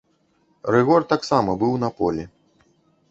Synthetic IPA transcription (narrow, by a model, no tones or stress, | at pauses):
rɨɣɔrt̪aksamɐbɨwn̪ɐpɔ̰lʲi